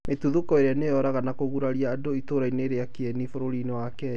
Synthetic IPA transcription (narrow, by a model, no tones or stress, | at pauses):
metuðukɔeɾeanejɔɾaɣanakoɣuɾaɾiaːdoitoɾaineɾeakeɛnifoɾoɾinɔwakɛ